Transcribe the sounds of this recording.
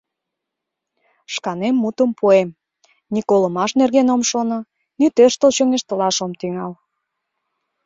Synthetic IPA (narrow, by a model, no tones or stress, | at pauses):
ʃkɑnemːut̪əmpuem | nikolə̆mɑʃnerɣenomʃonɤ̆ | nyt̪øʃt̪əlt͡ɕøŋeʃt̪əlɑʃomt̪yŋɑl